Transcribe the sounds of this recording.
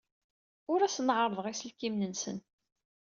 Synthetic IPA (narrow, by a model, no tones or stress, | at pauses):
ʊɾæsnʕəɾˤðˤʁisəlkimnənsə̰n